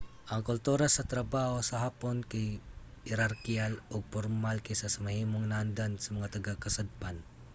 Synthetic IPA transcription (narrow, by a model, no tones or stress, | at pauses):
ʔɐŋkʊlt̪uːɾasɐt̪ɾɐbaːhosɐɦaːponkahɪɾaɾkialʔoɡ̚poɾmalkɪsasɐmɐhiːmoŋnand̪ansɐmɐŋat̪ɐɡakɐsad̪̚pan